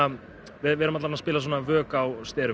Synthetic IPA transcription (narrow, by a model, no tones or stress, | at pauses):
a | vɪvɛːɾʏmat̪laɾnaspɪːlas̬woːnavœːkawst̪ɛːɾ